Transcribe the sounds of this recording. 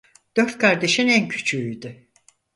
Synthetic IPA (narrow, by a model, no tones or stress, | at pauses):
d̪̥ø̞ɾt̪̚kʰaɾd̪e̞ʃinæncʰy̥t͡ʃʰyyjd̪y